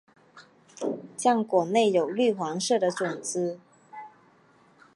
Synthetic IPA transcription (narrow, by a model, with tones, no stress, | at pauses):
t͡ɕjɑ˥˩ŋkwɔ˨˩ne˥˩ɪjo˨˩ʊly˥˩xwɑ˧˥ŋʂɤ˥˩d̪ə˨ʈ͡ʂʊ˨˩ŋt͡sɹ̩˥